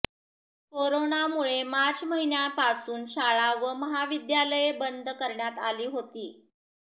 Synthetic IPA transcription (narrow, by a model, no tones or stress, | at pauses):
koɾonamuɭemat͡sməɦinjãpasuːnɕaɭaʋəməɦaʋid̪jaləjbənd̪ʱkəɾɳjat̪aliːɦot̪iː